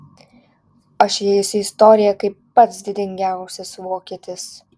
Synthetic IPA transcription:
ɐʃjɛɪsʊɪst̪ɔːɾʲɪjɛkɐɪpːɐt̪sd̪ʲɪd̪ʲɪŋʲɡʲæˑʊsʲɪsʋoːkʲiːt̪ʲɪs

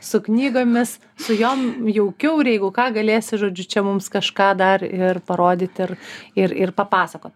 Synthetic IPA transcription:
sʊknʲiːɡoːmʲɪs | sʊjoːmjɛʊkʲɛʊɪɾjɛɪɡʊkɑːɡɐlʲeːsʲɪʒoːd͡ʒʲʊt͡ʃʲɛmʊmskɐʃkɑːd̪ɐrɪrpɐɾoːd̪ʲɪt̪ʲɪrɪɾɪrpɐpɑːsɐkoːt̪̚ʲ

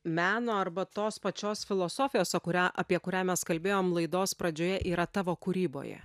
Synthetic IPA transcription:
mʲæːnoːɐɾbɐt̪oːspɐt͡ʃʲoːsfʲɪlˠoːsoːfʲɪjoːsʲɛkʊɾʲæːʔɐpʲiɛkʊɾʲæːmʲɛskɐlʲbʲeːjoːmlˠɐɪd̪oːspɾɐd͡ʒʲoːjɛʔiːɾɐt̪ɑːʋoːkuːɾʲiːbo̰ːjɛ̰

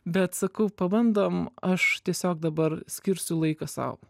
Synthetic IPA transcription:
bʲɛt̪sɐkɐʊpɐbɐnd̪oːmɐʃt̪ʲiɛsʲoːk̚d̪ɐbɐɾsʲkʲɪɾʲsʲʊlˠɐɪkɐsɐ̰ʊ

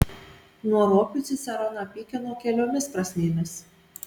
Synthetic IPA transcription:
nuɔɾoːkʲʊsʲɪsʲɛɾɔnɐpʲiːkʲɛnoːkʲɛlʲoːmʲɪspɾɐsʲnʲeːmʲɪs

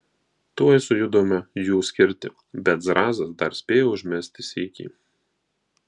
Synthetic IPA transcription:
t̪uɔɪsʊjʊd̪oːmʲɛjuːsʲkʲɪɾʲt̪ʲɪ̰ | bʲɛt̪zɾɑːzɐsd̪ɐɾsʲpʲeːjoːʊʒʲmʲɛsʲt̪ʲɪsʲikʲḭː

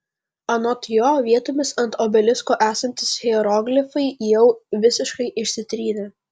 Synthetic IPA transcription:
ɐnɔt̪ʲjoːʋʲiɛt̪ʊmʲɪsɐnt̪oːbʲɛlʲɪskoːʔæːsɐnʲt̪ʲɪsxʲɛɛɾɔɡlʲɪfɐɪjɛʊʋʲɪsʲɪʃkɐɪʔɪʃʲsʲɪt̪ʲɾʲiːnʲe

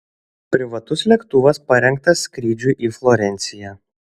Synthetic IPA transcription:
pʲɾʲɪʋɐt̪ʊslʲɛkt̪ʊʋɐspɐɾʲɛŋk̚t̪ɐsʲːkɾʲiːd͡ʒʲuʔiːflˠɔɾʲɛnʲt̪sʲɪjɛ

